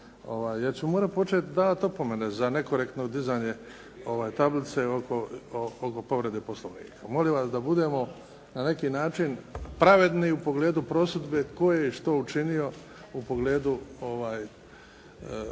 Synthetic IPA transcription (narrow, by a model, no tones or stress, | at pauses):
o̞̰ʋaːjːeɾt͡ɕumoːɾat̪po̞t͡ʃet̪d̪aːʋat̪opo̞me̞ne̞zane̞ko̞ɾekt̪nod̪izaːɲe̞ | o̞ʋaːjt̪ablit̪seokooko̞po̞ʋɾe̞d̪eːposlˠoʋnḭːkʰamo̞liʋasd̪abud̪e̞mo̞ | nane̞kiːnaːt͡ʃinpɾaʋe̞d̪niupo̞ɡle̞ːd̪upɾo̞ːsud̪beko̞jeiʃt̪out͡ʃinio̞ | upo̞ɡle̞ːd̪uo̞ʋaːj